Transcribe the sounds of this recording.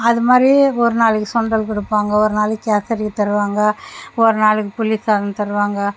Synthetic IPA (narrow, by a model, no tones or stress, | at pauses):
ɐðɯmaːɾiɔɾɯnaːɭɯkːɯsɔɳɖɐlkɔɽɯpːaːŋɡɐɔɾɯnaːlɯkːaːsɐɾɪkːɯt̪ɐɾɯʋaːŋɡɐɔɾɯnaːɭɯkːɯpʊlisaːðɐnt̪ɐɾɯʋaːŋɡɐ